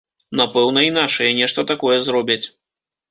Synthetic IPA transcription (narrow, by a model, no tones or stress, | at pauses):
napɛwn̪ɐinat͡ʂɨjɛnʲɛʂt̪ɐt̪akɔjɛzɾɔbʲɐt͡sʲ